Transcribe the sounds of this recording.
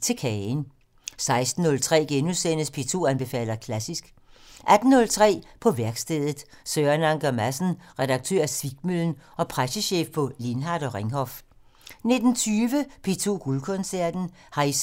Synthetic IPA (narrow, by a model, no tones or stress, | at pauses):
t͡sʰe̝kʰɛn | sɑ̈ɪsd̥n̩ːɔ̽lt͡sʰʁɛ̰ːɡ̥enusenəspʰe̝t͡sʰo̝̰ænb̥e̝fɛ̰ːl̰ɐkʰlæsisɡ̥ | ʔæd̥n̩ːɔ̽lt͡sʰʁɛ̰ːpʰɒ̽ʋæɐɡ̥sd̥eð̰ˠð̩ˠ | søːɐnɑ̈ŋɡ̥ɐmæsn̩ʁɛd̥ɑ̈ɡ̥̚t͡sʰø̰ɐ̰æsʋiɡ̥møln̩ɒ̽pʰʁasəɕḛːfpʰɒ̽linɦɑ̈d̥ɒ̽ʁeŋɦɒf | ne̝d̥n̩t͡sʰyːʋəpʰe̝t͡sʰo̝̰ːɡ̥ulkʰɔ̽nsæɐd̥n̩ | hɑ̈is